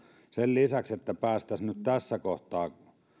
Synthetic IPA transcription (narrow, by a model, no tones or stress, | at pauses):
sellisækset̪ːæpæːst̪æsnyt̪t̪æsːækoht̪ˑɑː